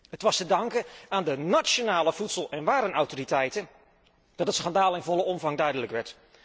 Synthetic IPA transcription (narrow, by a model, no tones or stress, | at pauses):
ətʋɑstədɑŋkəaːndənasonaːləv̥utsəlˠɛnʋaːɾənɔwtoritɛjtən | d̥ɑtətsχɑndaːlˠɪnvɔləɔmvɑŋdœɥdələkʋɛɹt